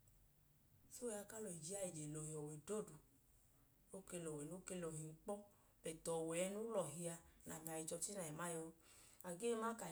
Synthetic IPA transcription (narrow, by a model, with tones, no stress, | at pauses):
so˦˨˧a˧ka˦lo˨i˨d͡ʒi˦a˦i˨d͡ʒe˨lo˨hi˨ɔ˨we˨do˦˨du˨ | o˦ke˧lo˨wɛ˨nu˦ke˧lo˨ɦi˨ŋ̩˦k͡pɔ˦ | bɛ˨tɔ˨wɛ˨˦nu˦lɔ˨ɦi˧a˧na˨ba˨i˨˧d͡ʒɔ˧ti˦na˨ɛ˨ma˦jo˧a˨ɡe˦ma˦ka˨